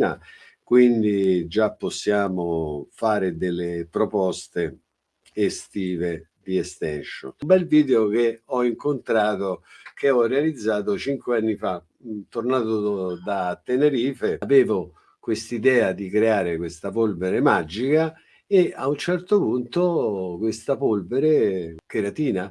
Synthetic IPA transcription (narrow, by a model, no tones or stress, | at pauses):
a̰ | kwind̪id͡ʒapːosːjaːmofaːɾed̪elːepɾopɔst̪eː | st̪iːved̪iɛst̪ɛnʃo̰nmbɛlviːd̪eok̟eɔiŋkont̪ɾaːt̪okʰeɔrːealid̪zːaːt̪̬ot͡ʃiŋkweanːifa | t̪ːornaːt̪od̪at̪ːeneɾiːfeavɛːvo | kwest̪id̪ɛːad̪ikɾeaːɾekwest̪apolveɾemad͡ʒika | eaunt͡ʃɛrt̪opunt̪okwest̪apolveɾekeɾat̪iːna